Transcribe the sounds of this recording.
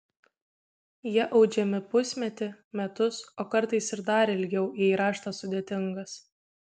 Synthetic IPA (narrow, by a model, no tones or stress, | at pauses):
jiɛʔɒʊd͡ʒʲɛmʲɪpʊsʲmʲɛt̪ʲɪ | mʲɛt̪ʊsoːkɐɾt̪ɐɪsɪɾd̪ɑːɾʲɪɪlʲɡʲɛʊʔiːiɾɑːʃt̪ɐsʊd̪ʲeːt̪ʲɪŋɡɐs